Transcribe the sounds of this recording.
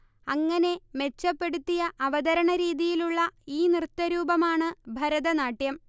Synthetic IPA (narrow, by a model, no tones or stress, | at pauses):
ɐŋːɐne̞me̞t͡ɕːɐpːe̞ɽut̪ːijɐʔɐʋɐd̪ɐɾɐɳɐɾiːðijiluɭːɐiːnirt̪ːɐɾuːbɐmaːɳɨbʱɐɾɐðɐnaːʈːjɐm